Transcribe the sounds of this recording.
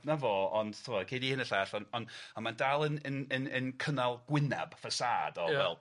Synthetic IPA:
navoːɔnd̥tʰʊmɔkʰejdihɪnəɬɛɬɔnɔnamandalˠənənənənkʰənalˠɡ̥wɪnɛ̰b̥fəsa̰ːdɔvɛ̰lˠ

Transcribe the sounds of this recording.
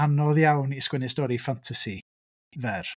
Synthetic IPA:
anɔðjawniskwɛnɪstɔɾifantʰasi | vɛr

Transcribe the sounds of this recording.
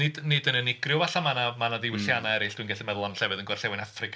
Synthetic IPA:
ɪdnɨdənənɪɡrjʊvaɬamanamanadɪwɪɬjanaɛɾɪɬd̥winɡɛɬɪmɛðʊlˠanɬɛvɨðənɡɔrɬɛwɪnafrɨkʰ

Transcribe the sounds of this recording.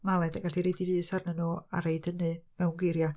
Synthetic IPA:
malˠɛdaɡaɬiɾedivɨːsarnənua̰ɾejdənɨmɛwɡwɪɾja

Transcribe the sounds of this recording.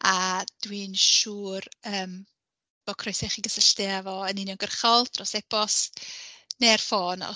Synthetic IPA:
ad̥wiːnʃuːrəːm | b̥ɔkʰrɔjsɛχiːɡəsəɬtɪavɔənɪnjɔŋɡərχɔlˠtrɔsɛbɔs | nerfoːnɔ̰

